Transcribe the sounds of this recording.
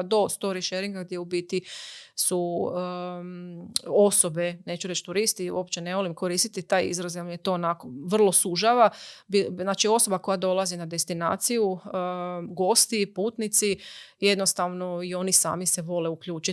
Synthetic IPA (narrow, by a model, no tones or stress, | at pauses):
d̪o̞st̪o̞ɾiʃeɾiŋɡaɡd̪jeubit̪isu | osobe̞ne̞ːt͡ʃuɾet͡ʃt̪uɾist̪iwo̞pt͡ɕene̞ʋo̞limko̞ɾiːst̪it̪it̪aːjḭzɾazjamjet̪o̞ːnakoʋr̩lˠo̞suʒaʋabiznaːt͡ʃio̞so̞bako̞jad̪o̞lˠazinad̪e̞st̪ina̰ːt̪siju | ɡo̞st̪ipuːt̪nit̪sije̞d̪no̞st̪aʋno̞io̞nisa̰ːmiseʋo̞leukʎuːt͡ʃi